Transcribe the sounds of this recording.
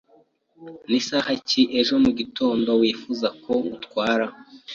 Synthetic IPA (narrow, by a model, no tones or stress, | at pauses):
nisahaciʔe̞ʒo̞muɟitʰo̞ːndo̞wiːfuzakʰo̞utkwaːɾa